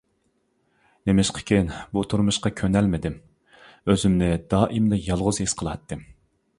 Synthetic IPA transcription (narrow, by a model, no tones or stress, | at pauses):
nemɪʃqʰə̥kʲʰenbut̪ʰuɾmuʃqɑkʲʰønɛlmɪd̪ɪm | øzymnɪd̪ɑːʔimlɨjɑlˠʁʊzɦesqʰəlˠɑt̪ːɨ